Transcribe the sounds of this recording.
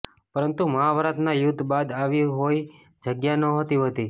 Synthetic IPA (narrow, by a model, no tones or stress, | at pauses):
pəɾənt̪uməaʋɾat̪najud̪ʱːbad̪aʋiɦoj | d͡ʒəɡjanəɦət̪iɦət̪i